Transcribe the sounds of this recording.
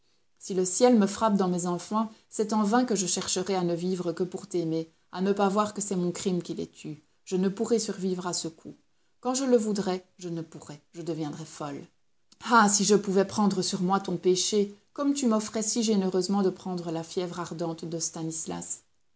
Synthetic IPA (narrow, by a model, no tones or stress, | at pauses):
siləsjɛlməfχap̚d̪ɑ̃mɛzɑ̃fɑ̃sɛt̪ɑ̃vɛ̃kəʒəʃɛʁʃəʁɛanəvivʁəkəpuʁt̪ɛme | anəpavwaʁkəsɛmɔ̃kχimkʲilɛ̰t̪ʰy | ʒ̥ənəpuʁɛsyʁvivʁasəkʰu | kɑ̃ʒələvud̪ʁɛʒənəpuʁɛʒ̥əd̪əvjɛ̃d̪ʁɛfɔl | asiʒəpuvɛpχɑ̃d̪ʁəsyʁmwat̪ɔ̃peʃekɔmt̪ymɔfχɛsiʒenøʁøzmɑ̃d̪əpχɑ̃d̪ʁəlafjɛvʁaʁd̪ɑ̃t̪d̪əst̪anisla̰s